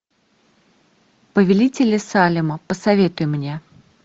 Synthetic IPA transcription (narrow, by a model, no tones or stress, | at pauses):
pəvʲɪlʲitʲɪlʲɪsalʲɪməpəsɐvʲe̞t̪ʊjʊmnʲe